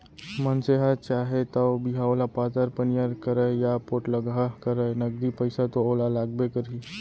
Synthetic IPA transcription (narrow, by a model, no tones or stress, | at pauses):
mənseɦat͡ʃaːɦet̪əbʱiɦaolapaːt̪əɾpənjaɾkəɾəjapoːʈləɡakəɾənəɡd̪ipəɪsat̪ooːlalaːɡ̚bekəɾi